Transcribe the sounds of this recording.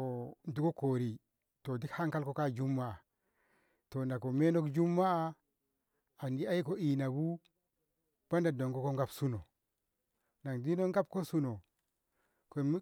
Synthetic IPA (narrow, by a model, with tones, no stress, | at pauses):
o˨n˨tu˨ko˦ko˨ɾi˨ | to˨di˦kha˦ŋka˦lko˦ka˦d͡ʒu˦mːa˦˨a˨ | to˨nda˨ko˨me˦no˦kd͡ʒu˦mːa˦˨ | a˨ndi˦a˦i˦ko˦i˨na˨bu˦ | b̥a˦nda˨do˨ŋɡo˦ko˦ŋɡa˦bsu˦no˨ | na˨ŋdi˦no˦ŋɡa˦b̚ko˦su˦no˨ | ko˨˦